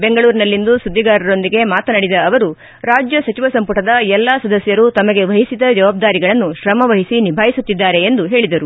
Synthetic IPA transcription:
be̞ŋɡɐɭuːɾinɐlːind̪usud̪ʱːiɡaːɾɐɾo̞nd̪iɡe̞maːt̪ɐnɐɽid̪ɐːʋɐɾu | ɾaːd͡ʒjɐsɐt͡ʃiʋɐsɐmpuʈɐd̪ɐɛlːaːsɐd̪ɐsjɐɾut̪ɐmɐɡe̞ʋɐɦisid̪ɐd͡ʒɐʋaːb̚d̪aːɾiɡɐɭɐnːuʃɾɐmɐʋɐɦisinibʱaːjisut̪ːid̪ːaːɾe̞ːnd̪uɦe̞ːɭid̪ɐɾu

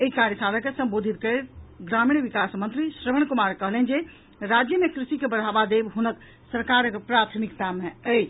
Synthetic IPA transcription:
eikaɾjəsaləkesəmbod̪ʱit̪kəɾet̪ɡɾamiɽʋikasmənt̪ɾisɾəməɳ̃kumaɾkəɦlənd͡ʒe | ɾad͡ʒjəmekɾisikebəɽ̤abad̪ebɦunək | səɾkaɾpɾat̪ʰmikt̪ameə

